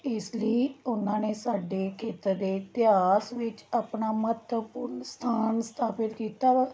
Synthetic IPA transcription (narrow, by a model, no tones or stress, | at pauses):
ɪsləiːʊnãːneːsaːɖeːkʰeːt̪əɾd̪eːt̪ɪaːsʋɪt͡ʃapnaːmət̪əpʊɾnst̪ʰaːnst̪ʰaːpɪlkiːt̪aː